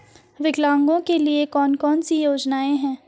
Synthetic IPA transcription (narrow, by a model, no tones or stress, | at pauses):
ʋɪɡlãːŋɡõkeliekɔːnkɔːnsijoːd͡ʒnaːẽɦɛ̃ː